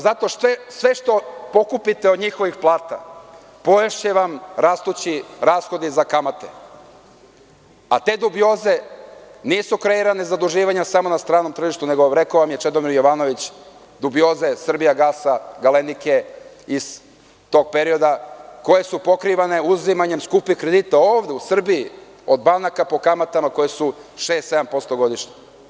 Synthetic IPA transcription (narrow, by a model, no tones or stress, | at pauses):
zat̪o̞ʃʋesʋe̞ʃt̪o̞po̞kupit̪eod̪ɲixo̞ʋixplˠaːt̪a̰ | po̞jeʃeʋamɾast̪ut͡ɕiɾaːsxo̞d̪izakamat̪e | at̪e̞ːd̪ubio̞ːze̞niːsukɾe̞iɾane̞zad̪uʒiːʋaɲasamo̞nast̪ɾaːno̞mt̪r̩ʒiʃt̪une̞ɡo̞ɾe̞koʋamjet͡ʃe̞d̪o̞miɾjo̞ʋano̞ʋit͡ɕ | d̪ubijo̞ːze̞sr̩bijaɡaːsaɡalenike̞ | iz̥ | t̪o̞ːɡ̚pe̞ɾio̞d̪ako̞je̞supo̞kɾiʋane̞uzimaɲe̞mskupikɾed̪it̪ao̞ːʋd̪e̞usr̩bii | o̞d̪banakapo̞kamat̪amako̞jesuʃe̞ːst̪seampo̞st̪o̞ɡo̞d̪iʃɲe